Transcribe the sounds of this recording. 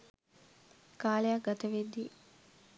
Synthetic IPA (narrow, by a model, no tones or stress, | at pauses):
kaːlejaɡɐt̪ɐʋed̪ːi